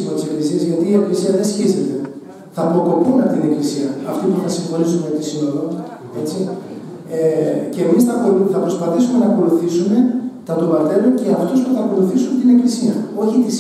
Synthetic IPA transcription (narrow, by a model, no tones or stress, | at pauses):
inot̪ise̞klisiɐzʝɐt̪iːe̞klisiɐðesçize̞t̪e̞ | θɐpo̞ko̞punɐt̪ine̞klisiɐːft̪ipunɐsiɱxo̞nizumet̪isino̞ðo | e̞t͡si | ceːmisθɐpoθɐpɾo̞spɐθisume̞nɐko̞luθisume̞t̪ɐt̪ovɐt̪e̞lonceɐft̪o̞spuθɐko̞luθisunt̪ine̞klisiɐo̞çit̪is